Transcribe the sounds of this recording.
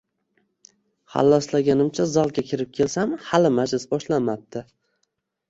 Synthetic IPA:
ha̰lːaslaɡʲanɪmt͡ʃʰazalˠɡʲakʲʰɪɾɪp̚kʲʰe̞lsamhalɪmad͡ʒlɪsbɒʃlanmap̚t̪ʰɪ

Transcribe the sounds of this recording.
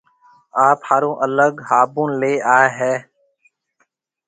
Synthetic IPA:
aːphaːɾõːʔələɡhaːbũːnleːaːɦɛː

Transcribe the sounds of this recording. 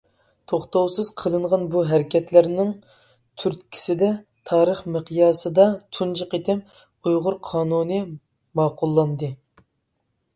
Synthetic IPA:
t̪ʰoχt̪owsɨz̥qʰəlˠɨɴʁɑnbuɦæɾɪkʲʰɛt̪læɾnɪŋ | t̪ʰyɾt̪kʲʰi̥sɪd̪ɛt̪ʰɑːɾəχməqʰjɑːsɨd̪ɑt̪ʰund͡ʒəqet̪ʰɛm | ujʁʊɾqʰɑːnunɨ | mɑːqʊlˠːɑnd̪ɨ

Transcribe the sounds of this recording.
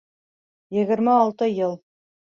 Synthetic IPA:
jɘ̆ɡɘ̆ɾmæɑlˠt̪ɤjɤlˠ

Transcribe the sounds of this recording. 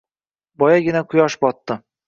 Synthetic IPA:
bɒjaɡʲɪnaqʰʊjɒʃbɒt̪ːɪ

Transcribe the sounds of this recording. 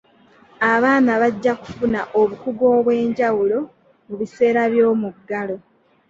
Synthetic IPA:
aβaːnaβaɟːaku̥funaʔo̞βukuɡo̞ːβwe̞ːɲɟawulo̞ | muβise̞ːɾaβjo̞ːmuɡːalo̞

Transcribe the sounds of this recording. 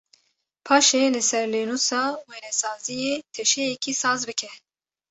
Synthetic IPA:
pʰɑːʃeːlɨsɛɾleːnusɑːwenɛsɑːzijeːt̪ʰɛʃɛjɛkʰisɑːzbɨkʰɛ

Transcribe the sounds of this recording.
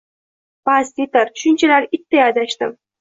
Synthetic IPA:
past̪et̪aɾʃʊnt͡ʃʰalaɾɪt̪ːajad̪aʃt̪ɪm

